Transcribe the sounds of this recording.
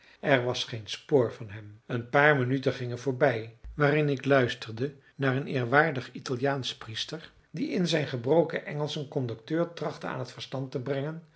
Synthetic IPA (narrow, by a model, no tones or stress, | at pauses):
ɛɹʋɑsχejnspoːɹvɑnɦɛmənpaːɹmənytəχɪŋənvoːɹbɛjʋaːɾɪnɪklœɥstəɹdə | naːɹənɪ̰ːɹʋaːɹdəχitɑlˠjaːnspristəɹ | diɪnzɛjnχəbrowkəʔɛŋəlˠsənkɔndɵk̚tøːɹtrɑχtəa̰ːnɦətfəɹstɑntəbrɛŋən